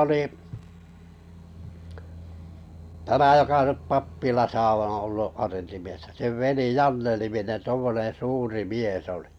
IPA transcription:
oliˑ tæmæ jokɑ nyp pɑpːilɑsɑ õː olːu ɑrentimiesːæ seʋ ʋeli jɑnːeniminen tuomːonẽː suːri miesˑ oli̥

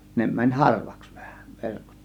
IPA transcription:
ne mænʲ hɑrʋɑ̥ks ʋ̥æ̥hæ̥ ʋerkot

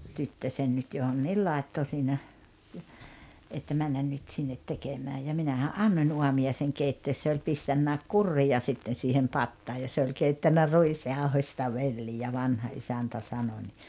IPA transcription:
tytːøsen nyt johonːiːl lɑˑetːo siːnæ si etːæ mænːæn nyt sinːet tekemæːj jɑ minæhæʔ ʔɑnːonʲ uɑmiɑiseŋ keitːeːs se olʲ pistænːæˑek kurːijɑ sitːen̞ siːhem pɑtːɑː jɑ se olʲ keitːænːæ ruisjɑohosʲtɑ ʋelːijæ ʋɑnhɑ ʔisæntæ sɑno nʲi

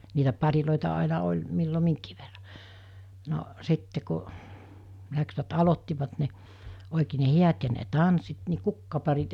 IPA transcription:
niːtæ pɑriloˑitɑ ɑˑinɑ olʲ milːo miŋkiː ʋerːɑ no sitːe ku læksʋæt ɑlotːiʋɑt ne oˑikeː ne hiæt jɑ ne tɑnsːit ni kukːɑpɑrit

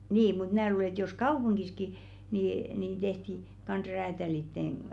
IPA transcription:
niː mut mn̆æː luːle ĕt jos kɑupuŋɡ̊iski niniˑn tehti kɑnsʲ ræːtælitːeŋ

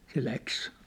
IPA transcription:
se læks

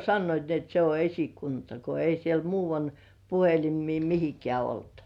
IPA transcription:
sɑnːoit ni et se o esikuntɑ ko ei siel muːʋɑn puhelimˑiː mihikĕæˑ olt

